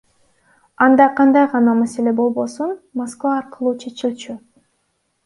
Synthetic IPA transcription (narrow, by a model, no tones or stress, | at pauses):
ɑnd̪ɑqʰɑnd̪ɑjʁɑnɑmase̞le̞bo̞lˠbo̞sunmoskvɑːɾqɯlˠuːt͡ʃʰe̞t͡ʃilʲt͡ʃy